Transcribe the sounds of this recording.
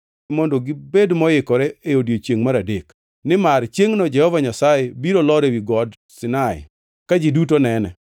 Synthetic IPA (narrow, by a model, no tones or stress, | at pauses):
mɔndoɡɪbedmɔjɪkɔɾɛeodjot͡ʃeŋmaɾadek | nɪmaɾt͡ʃeŋnɔd͡ʒɛhɔvaɲasajebiɾolɔɾɛwiɡɔd | sɪnaɪ̰ | kad͡ʒidutonɛnɛ